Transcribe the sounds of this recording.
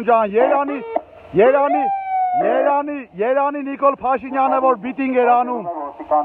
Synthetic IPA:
nd͡ʒãːnjeːɾaːni | jeːɾaːnijeːɾaːnijeɾaːninikolpʰaːʃiɲaːnɐʋoːɾbit̪ĩŋɡeɾaːnũː

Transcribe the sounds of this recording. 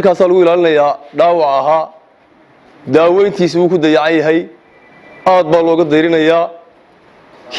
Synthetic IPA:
rkʰaːsaːlʊɣʊɪlaːlɪnɐjaːɖaːwɑʕɐɦaː | d̪aːwɛjnt̪ʰiːsuːkʰʊd̪ɐjɑʕɑnjɐɦɛj | aːd̪̚baːlɔːɣɐd̪ɛjɾɪnɐjaː | kʰ

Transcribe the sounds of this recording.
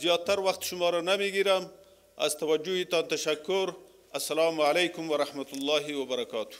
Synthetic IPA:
zjɑt̪ːaɾwaxt̪ʃʊmɑɾanameɡiɾam | a̰zt̪awad͡ʒuhit̪ɑnt̪aʃakːʊɾ | asːalɑmalajkʊmwaɾahmat̪ʊlːɑːɦiwabaɾakɑːt̪u̥

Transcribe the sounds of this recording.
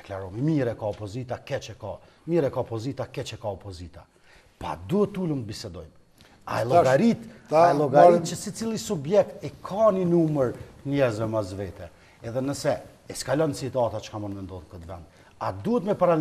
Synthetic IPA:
d̪ɛklaɾɔmimiɾɛkaɔpɔzit̪akɛt͡ʃɛka | miɾɛkaɔpɔzit̪akɛt͡ʃɛkaɔpɔzit̪a̰ | pa̰d̪uhɛt̪ːuləmt̪əbisɛd̪ɔjm | a̰ɛlˠɔɡaɾit̪alˠɔɡaɾit̪̚t͡ʃəsit͡silˠisubjɛkt̪ikʰaninuməɾəɲɛzvɛmazvɛt̪ɛ | ɛðɛnəsɛ | ɛskalɔnsit̪at̪at͡ʃə̥kamənvɛnd̪ɔðkət̪vɛ̰nd̪̚ | ad̪uɛt̪mɛpaɾa

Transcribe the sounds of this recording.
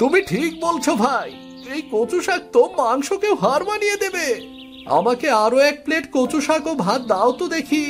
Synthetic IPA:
t̪umiʈʰik̚bolt͡ɕʰobʱaj | ejkot͡ɕuʃak̚t̪omaŋʃokewɦaɾmanijed̪ebe | a̰makeaɾoɛk̚pleʈkot͡ɕuʃakobʱat̪̚d̪aot̪od̪ekʰi

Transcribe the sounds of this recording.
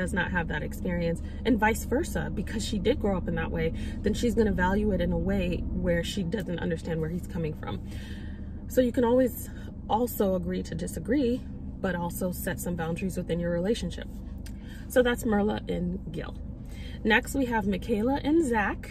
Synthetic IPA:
ʌznə̰t̚ɦəvðɨɾɨkspɪɹiɨ̃ns | ʔɨ̃nvaɪsfɜ˞sə̰bɨkʰʌz̥ʃidɨd̚ɡɹoʊʌpn̩ðə̰ʔwʔeɪðɨ̃nʃizɡʌñɨvælˠjʉɨɾɨ̃nəweɪwə˞ʃidʌzɨ̃n̩tʌ̰̃ndə˞stæ̃nd̚wə˞iz̥kʰʌmɪ̃ŋfɹʌ̰̃m | soʊjɨkɨ̃ñɔlˠwiz | ʔɔlˠsoʊəɡɹiɾɨdɨsɨɡɹi | b̥ʌɾɔlˠsoʊsɛtsʌ̃mbãʊ̃ndɹizwɨθɪ̃njə˞ɹileɪʃnʃɪ̰p̚ | soʊðætsmɜ˞lˠə̰ʔɪ̃nɡɪ̰lˠ | nɛkst̚wiəvmɨkʰeɪlˠəʔɨ̃nzæk

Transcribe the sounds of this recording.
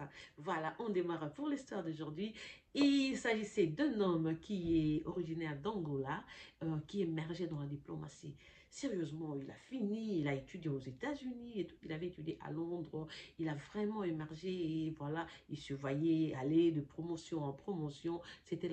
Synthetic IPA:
vwalaʔɔ̃d̪emaʁɛpuʁlist̪waʁd̪oʒuʁd̪ɥiilsaʒisɛd̪ɛ̃nɔmkʲiɛɔʁiʒinɛʁd̪ɑ̃ɡɔlaøkʲiemɛʁʒɛd̪ɑ̃lad̪iplɔma̰sḭ | seʁjøzmɑ̃ila̰finiːlaet̪yd̪jeozet̪azyniet̪u̥ilavɛet̪yd̪jeʔa̰lɔ̃d̪ʁəilavʁɛmɑ̃emɛʁʒeevwalailsəvwajɛaled̪əpχɔmɔsjɔ̃ɑ̃pχɔmɔsjɔ̃set̪ɛl

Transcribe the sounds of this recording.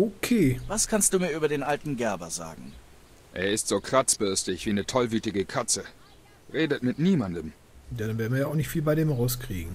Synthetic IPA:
ʔokʰeːvaskʰanstd̥uːmiːɐʔyːbɐdeːnʔaltn̩ɡɛɐbɐ̰za̰ːɡŋ̩ | ʔeːɐɪstz̥oːkʁ̥at͡sb̥ʏɐstɪçv̥iːnətʰɔlvyːtɪɡəkʰat͡sə | ʁeːdətmɪtniːmandəm | danveːɐdn̩viɐjaʊxnɪçtfiːlbaɪdeːmʁaʊskʁ̥ḭːɡŋ̩

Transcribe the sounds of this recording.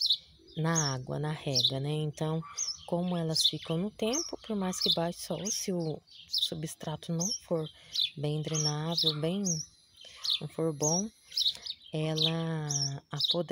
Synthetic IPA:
nɐaɡwɐ̰nɐhɛɡɾɐnɛẽnt̪ɐ̃w̃kõmʊɛlɐsfikɐ̃w̃nʊt̪ẽmpʊpoɾmajskɪbajɪsɔsɪʊsubɪst̪ɾat̪ʊnɐ̃w̃foɾbẽj̃d̪ɾenad̪ʊbẽj̃ | nɐ̃w̃foɾbõw̃ | ɛlɐ | apod̪

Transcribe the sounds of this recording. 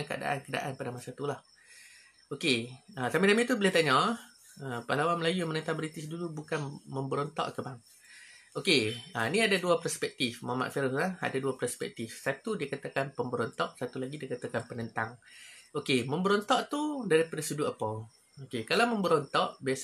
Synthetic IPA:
nka̰da̰ʔa̰nkəda̰ʔanpadamasat̪ulah | okeəsamidamit̪ubəlat̪aɲɔ̃ | əpalawanməlajujamənənt̪aŋbɾit̪ɪsdulubukanmə̃mbəɾɔnt̪ɔ̰ʔkəbaŋ | okeaniadaduapərspɛk̚t̪ifmama̰ʔfɛɾʊslaha̰daduapərspɛ̰k̚t̪ifsat̪udiakat̪akanpəmbəɾɔnt̪ɔʔsat̪ulaɡidikat̪akanpənənt̪aŋokeməmbəɾɔnt̪ɔʔt̪udaɾipadasuduʔapɔ | okekalawməmbəɾɔnt̪ɔʔbias

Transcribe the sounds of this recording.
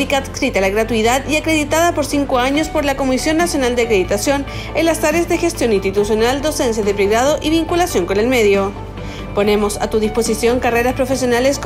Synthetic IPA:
ikaðkɾit̪alaɣɾat̪uiðaðiakɾe̞ðit̪aðapo̞ɾsiŋkoaɲo̞spo̞ɾlako̞misjo̞nːasjonald̪eakɾeðit̪asjo̞n | enlasaɾeazðe̞xe̞st̪jo̞nĩnst̪it̪usjo̞nald̪o̞se̞nsjaðepɾeɣɾaðoʔiβiŋkulasjo̞ŋko̞ne̞lme̞ðjo̞ | po̞ne̞mo̞sa̰t̪uð̞ispo̞sisjo̞ŋkare̞ɾaspɾo̞fe̞sjo̞nale̞s

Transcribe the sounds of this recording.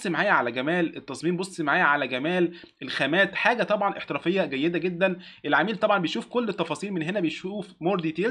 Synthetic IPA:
sˤmaʕaːjæʕalæɡæmæːlet̪ːɑsˤmiːmbosˤːmaʕaːjæʕalæɡæmæːl | ʔelxæmæːt̪ħaːɡæt̪ˤɑbʕɑnʔeħt̪eɾɑːfejːɑɡæjːed̪æɡed̪ːæn | ʔelʕamiːlt̪ˤɑbʕɑmbejʃuːfkolːet̪ːɑfɑːsˤiːlmenɦenæbejʃuːfmoɾd̪it̪eː

